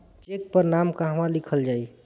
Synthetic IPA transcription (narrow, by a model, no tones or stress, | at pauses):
t͡ʃek̚pəɾnamkaɦəmalikʰəld͡ʒai